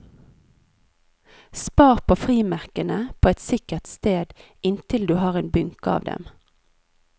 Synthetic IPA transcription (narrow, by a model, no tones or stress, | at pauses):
spɑːʁpʰoːfʁiːmæʁkənəpʰoːɛt̪sɪkəʁt̪st̪eːd̪ | ɪnt̪ʰɪld̪ʉːhɑːʁeːnbʏŋkəɑ̰ːʋd̪ɛ̰m